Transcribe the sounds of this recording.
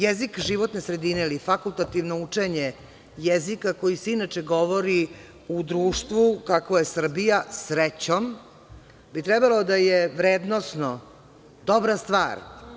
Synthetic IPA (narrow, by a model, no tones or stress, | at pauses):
jezikʒiʋo̞t̪nesɾe̞d̪inelifakulˠt̪at̪iʋno̞ut͡ʂeɲe | jezikako̞jiseinat͡ʃeɡo̞ʋo̞ɾi | ud̪ɾuːʃt̪ʋukakʋojesr̩bijasɾet͡ɕom | bit̪ɾɛbalˠo̞d̪ajeʋɾeːd̪nosno | d̪obɾast̪ʋa̰ːɾ